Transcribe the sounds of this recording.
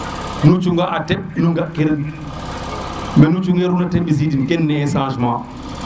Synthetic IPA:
nut͡ʃuŋɡaʔateb̚nuŋɡakeɾin | menut͡ʃuŋeɾunatebizidinkenːesãʃ̬ma

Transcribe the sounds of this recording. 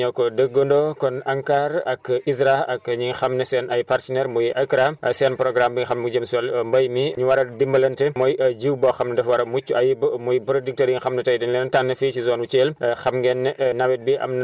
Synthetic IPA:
ɲɐwkɔdəɡːondɔkɔnɐŋkaːɾɐkizɾaɐɲiŋxɐmnɐsɛːnɐjpartənɛɾmujiʔɐkɾaɐsɛːnpɾɔɡɾambiŋixɐmud͡ʒɐmswɐlmbɐjmiɲuwɐɾɐdimbɐlɐntɛmɔjd͡ʒiwbɔxɐmnɐdɛfwɐɾɐmut͡ʃːuɐjibmujbɾodik̚tɐɾjiŋxɐmnɐtɐjdɛnlɛːnntanːɐfit͡ʃizɔːnut͡ʃeːlxɐmŋɡɛnːnɐwɛt̚biʔɐ̰mnɐ

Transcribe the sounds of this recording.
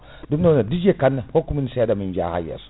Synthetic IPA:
dumnonadid͡ʒekanːahokːuminseadamind͡ʒa̰ha̰ja̰su̥

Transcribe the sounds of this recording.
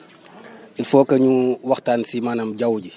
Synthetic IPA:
ifɔːkɐɲuwɐxtaːnsimaːnɐmɟɐwɟi

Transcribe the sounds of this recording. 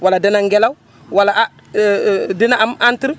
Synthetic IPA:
waladinaŋɡelaw | wala | dinamantiɾ

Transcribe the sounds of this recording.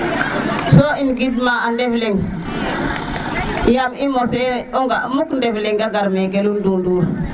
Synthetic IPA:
soimɡidmaandefliŋ | jamimoseoŋɡamukndefliŋɡaɡaɾmekelunduŋduːɾ

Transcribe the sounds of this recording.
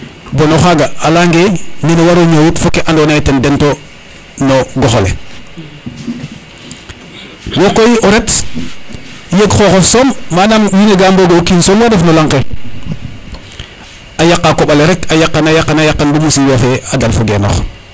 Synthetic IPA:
bonoxaɡaalaŋɡenenowaɾoɲojutfokeʔandonajtendento | noɡoxolḛ | wokːojiʔoɾet | jeɡxoxosommanammineɡamboɡookiːnsoːmwadefnolaŋke | ajaqːakoɓaleɾekajakːanajakːanajakːanbumusijafeadalfuɡḛno̰x

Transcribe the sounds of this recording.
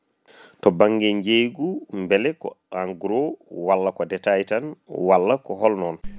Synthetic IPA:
tɔbaŋɡɛɲd͡ʒejɡumbɛlɛkɔ̰aŋɡuɾɔwalːakɔdɛtajtanwalːakɔɦɔlnɔn

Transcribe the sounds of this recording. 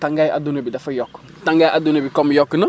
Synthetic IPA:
tãŋɡaja̰dunebidafajɔkː | tãŋɡajʔadunebikɔmjɔkːna

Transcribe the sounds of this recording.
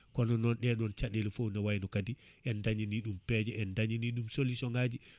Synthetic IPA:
kɔnɔnɔnɗɛɗɔnt͡ʃaɗelifownawajnɔkadiʔɛndaɲiniɗumpɛd͡ʒɛɛndaɲiniɗumsolːisɔŋad͡ʒi

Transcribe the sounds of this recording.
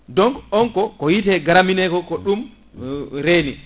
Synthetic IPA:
dɔŋkɔŋkɔkɔjitɛɡaɾaminɛkɔkɔɗum | ɾeːni

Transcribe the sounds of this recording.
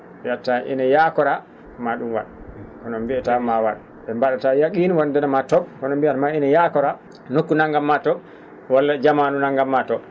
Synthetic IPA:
jatːaʔḭnajakɔɾa | maɗumwa̰ɗkɔnɔmbiɛtamawa̰ɗ | ɓɛmbaɗatajaɡinwandɛnamatɔbkɔnɔmbiɛmainajakɔɾa | nokːunaŋɡamːatɔ | walːad͡ʒamanunaŋɡamːatɔ

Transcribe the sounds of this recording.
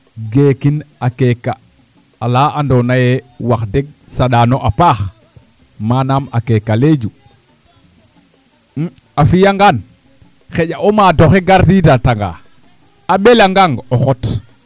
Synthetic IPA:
ɡeːkinakekːa | alaʔandonajewaxdeɡ̚ | saɗaːnoʔapaːx | manama̰kekːaled͡ʒu | afijaŋɡan | xeɟaʔomadoxeɡaɾtidataŋɡa̰ | aɓelaŋɡaŋɡoxot

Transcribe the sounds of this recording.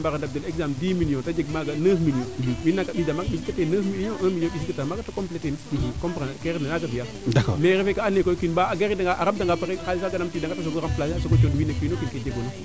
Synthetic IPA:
mbaɾandab̚delekzamdimilijõtad͡ʒeɡmaɡanəhmilijõwinːakaɓidamakɓisikateːnəhmilõʔəmijõɓisikatamaɡatakompletenkompɾakeɾenanakavija | dakɔ̰meɾefekaanekokinbaaɡeɾidaŋɡaʔaɾamdaŋɡapaɾekalisaɡanamtidaŋɡatasoɡoɾamplasasoɡot͡ʃodiwinakinokinked͡ʒeɡona

